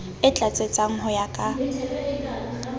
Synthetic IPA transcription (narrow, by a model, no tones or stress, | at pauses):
ɪt͡ɬʼat͡sʼet͡sʼaŋ̩ɦɔjakʼa